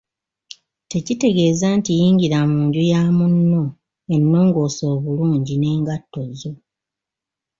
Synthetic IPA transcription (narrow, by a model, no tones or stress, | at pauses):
te̞cite̞ɡe̞ːzaːntijiːŋɡiɾamuːɲɟujaːmunːo̞ | enːo̞ːŋɡo̞ːso̞ːβuluːɲɟine̞ːŋɡatːo̞zo̞